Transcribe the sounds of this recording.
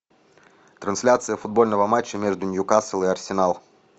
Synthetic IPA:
t̪ɾɐnsʲlʲat̪sɨjəfʊd̪̚bo̞lʲnəvəmat͡ɕːəmʲeʐd̪ʊnʲjʊkasəlˠɨɐrsʲɪnalˠ

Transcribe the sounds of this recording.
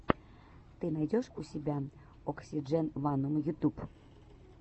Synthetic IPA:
t̪ɨnɑjdʲoʃusʲibʲæ | oksʲid͡ʒenvɑnəmjut̪up

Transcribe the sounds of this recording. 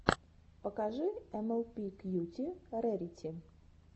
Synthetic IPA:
pəkaʐɨɛmɛlˠpʲikjutʲiɾɛɾʲitʲɪ

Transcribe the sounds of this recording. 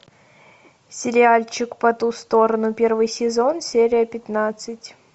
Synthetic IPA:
sʲɪɾʲɪalʲt͡ɕɪkpɐt̪ust̪o̞ɾənʊpʲervɨjsʲɪzo̞nsʲeɾʲɪjəpʲɪt̪nat̪sɨtʲ

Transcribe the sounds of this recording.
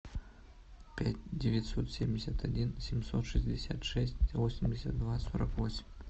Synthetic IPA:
pʲætʲdʲevʲet̪ʲsot̪sʲemʲdʲesʲat̪ʰadʲinsʲemsot̪ʂɨsʲdʲesʲat̪ʂɛsʲtʲvosʲɪmʲdʲɪsʲat̪̚d̪vasoɾəkvosʲmʲ

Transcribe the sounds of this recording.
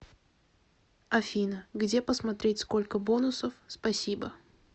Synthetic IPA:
ɐfʲinəɡdʲe̞pəsmɐt̪ɾʲetʲsko̞lʲkəbo̞nʊsəfspɐsʲibə

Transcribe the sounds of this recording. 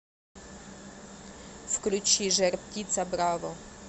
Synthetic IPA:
fklʲut͡ɕiʒɛɾpcʲit̪sabɾavɔ

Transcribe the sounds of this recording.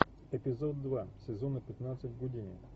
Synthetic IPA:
ɛpʲizɔd̪ːvasʲɛzɔnɐpɛt̪nat̪sət̪ʲɡod̪ʲinʲi

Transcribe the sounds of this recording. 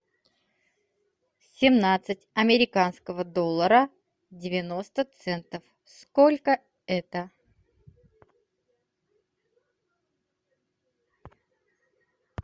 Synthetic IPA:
sʲɪmnat̪sɨtʲɐmʲɪɾʲɪkanskəvəd̪olˠːəɾə | dʲɪvʲɪno̞st̪ət̪sɛnt̪əf | skolʲkə | ɛt̪ə

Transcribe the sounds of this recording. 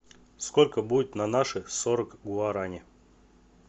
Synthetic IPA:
skolʲkəbudʲʊt̪nanaʂɨsoɾəkɡaɾanʲɪ

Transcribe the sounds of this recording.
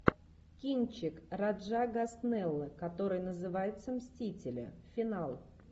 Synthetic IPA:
kʲinʲt͡ɕɪkrɐʐaɡɐsnɛlˠːəkɐt̪o̞ɾɨjnəzɨvajɪt̪səmsʲtʲitʲɪlʲə̰fʲɪnalˠ

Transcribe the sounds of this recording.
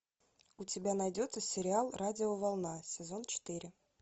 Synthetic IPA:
ʊtʲɪbʲanɐjdʲo̞t̪səsʲɪɾʲɪalˠradʲɪovɑlˠnasʲɪzo̞nt͡ɕɪ̥t̪ɨɾʲɪ

